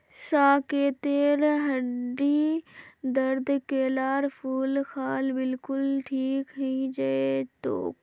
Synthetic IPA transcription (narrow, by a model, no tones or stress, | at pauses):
saːkeːt̪eːɾɦɐɖi | d̪əɾd̪keːlaːɾpʰuːlxʰaːlbɪlkʊlʈʰiːkɦĩd͡ʒɐet̪o̰ːk